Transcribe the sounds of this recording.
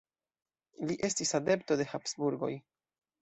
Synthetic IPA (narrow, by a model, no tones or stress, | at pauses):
liʔe̞stisade̞pto̞de̞hapsbuɾɡo̞̰j